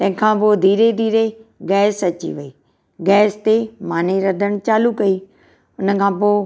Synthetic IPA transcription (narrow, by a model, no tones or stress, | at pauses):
t̪ɐ̃ɦɪ̃kʰãːpoːd̪ʱiːɾed̪ʱiːɾeɡɛːsɐt͡ɕḭʋɐeː | ɡɛːst̪emaːniɾɐd̪ʱəɽ̃t͡ɕaːlukɐi | ʊnə̆kʰãːpoː